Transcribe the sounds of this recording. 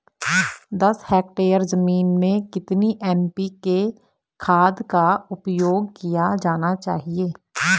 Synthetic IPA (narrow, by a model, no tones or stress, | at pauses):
d̪əshɛːk̚ʈeːəɾzəmiːnmẽkɪt̪niʔɛːmpike | kʰaːd̪kaʊpjoːɡ̚kijad͡ʒaːnat͡ʃaːɦieː